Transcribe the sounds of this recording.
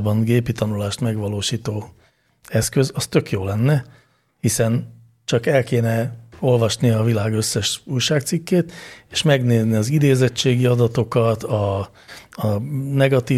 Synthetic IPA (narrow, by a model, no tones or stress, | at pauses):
bɒŋɡeːpit̪ɒnulaːʃt̪mɛɡʋɒloːʃiːt̪oː | ɛskø̞zɒst̪ø̞kjoːlɛnːɛ | hisɛn | t͡ʃɒkɛlkeːnɛo̞lvɒʃniɒvilaːɡøsːɛʃuːjʃaːk̚t̪sikːeːt̪eːʃmɛɡneːzniɒzid̪eːzɛt͡ʃːeːɡiɒd̪ɒt̪o̞kɒt̪ɒ | nɛɡɒt̪iː